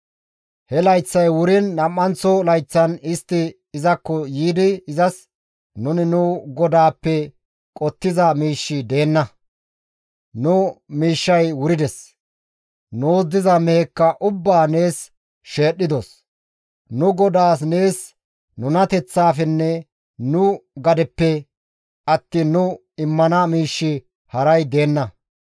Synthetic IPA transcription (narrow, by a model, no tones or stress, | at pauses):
hɛlɐjt͡sːɐjwʊɾɪnːɐmːɐnt͡sɔlɐjt͡sːɐnɪst̪ːɪː | zɐkːɔjiːd̪ɪːzɐs | nʊnɪnʊɡɔd̪aːpːɛ | kʼɔt̪ːɪzɐmiːʃːɪd̪e̞ːnːɐ | nʊmiːʃːɐjwʊɾɪd̪ɛs | noːzːɪzɐmɛhɛkːɐʔʊbːaːne̞ːs | ʃe̞ːɗːɪd̪os | nʊɡɔd̪aːs̬ne̞ːs | nʊnɐt̪ɛt͡sːaːfɛnːɛ | nʊɡɐd̪ɛpːɛ | ɐt̪ːiːnːʊ | ɪmːɐnɐmiːʃːɪ | hɐɾɐjd̪e̞ːnːɐ